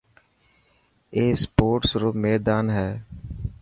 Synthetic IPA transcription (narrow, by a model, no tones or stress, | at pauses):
eːspoːʈsɾoːmeːɾd̪aːnɦɛː